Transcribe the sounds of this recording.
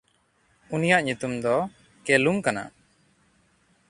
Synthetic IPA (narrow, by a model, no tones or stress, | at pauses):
unijaʔɲut̪umd̪ɔ | kɛlumkana̰